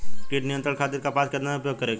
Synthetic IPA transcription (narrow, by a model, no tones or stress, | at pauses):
skiːʈnɪjə̃nt̪ɾəɽkʰaːt̪ɪɾkapaːskɐɾd̪naʊpjoːɡ̚kɐɾeːɡ